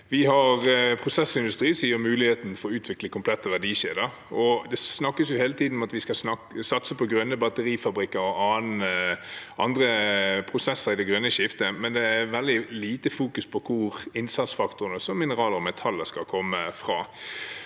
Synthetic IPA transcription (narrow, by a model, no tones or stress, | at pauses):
ʋɪɦɑʁpʰʁʊsɛsɪnd̪ʉst̪ʁiːsiːəmʉːlɪheːt̪n̩fɔɾɔʉːt̪ʰʋɪkləkʰʊmpʰlɛt̪ːəʋædiːʃeːd̪əɾ | ɔd̪ɛsnɑkːəsjʊheːlət̪iːd̪n̩ɔmɑt̪ʋɪskɑsnɑsɑt̪səpɔɡɾœnːəbɑt̪əɾiːfɑbɾɪkːəɾɔʔɑːnəʔɑnd̪ɾəpʰɾʊsɛsəɾɪd̪ɛɡʁœnːəʃɪft̪əmɛnd̪ɛæɾʋɛld̪ɪliːt̪əfuːkʉspʰɔkʰʊɾɪnsɑt̪sfɑkt̪ʊɾənəsɔmːɪnəʁɑːləɾɔmɛt̪ʰɑlːəskɑlkʰɔmːəfʁɑ̰ː